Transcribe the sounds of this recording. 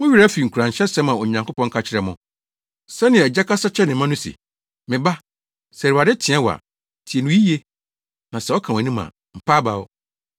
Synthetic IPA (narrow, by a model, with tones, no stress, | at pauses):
mʊ̃˦ɥi˦ɾa˦fi˨ŋ̩˨kʰu˨ɾã˨ɲ˨ɕɛ˦sɛ̃˦mã˨ɔ˨ɲã˨ŋkʰo˦pɔ̃˦ŋ˦kʰa˦t͡ɕʰɪ˦ɾɛ˨mʊ̃˨ | sɛ˦nɪ̃˨ɛ˨d͡ʑɛ˦kʰa˦sa˦t͡ɕʰɛ˦nɪ̃˨mã˦nʊ̃˦sḭ˨ | mɪ̃˨ba˦ | sɛ˨ɾu˨a˨dɛ˦tʰɪ̃˨˦ã˦wɔ˨a̰˨ | tʰi˨e˨nʊ̃˨˦ji˦je˦ | nã˨sɛ˨ɔ˦kʰã˨wæ˨nũ˦mã̰˨ | m̩˨pʰaː˦ba˨ɔ˦